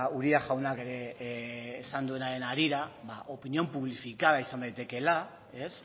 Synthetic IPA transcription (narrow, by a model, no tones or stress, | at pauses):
uɾiaʝawnake̞ɾe̞ː | sand̪ue̞naɾe̞naɾiɾaβaʔo̞pinio̞mpuβ̞lifikaðaisand̪ajt̪e̞ke̞la | e̞s